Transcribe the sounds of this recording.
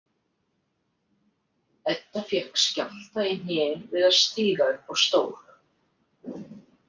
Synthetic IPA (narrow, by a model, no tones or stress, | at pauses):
ɛt̪ːafjɛr̥kscal̥t̪aɪn̥ɪːvɪðaðst̪iːɣaʏpɔɣst̪oːwɾ̥